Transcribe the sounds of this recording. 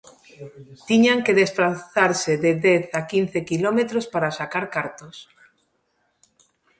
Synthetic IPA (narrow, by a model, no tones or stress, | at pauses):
t̪iɲaŋkeðespɾaθaɾseðedeθakin̟θekilomet̪ɾospaɾasakaɾkaɾt̪os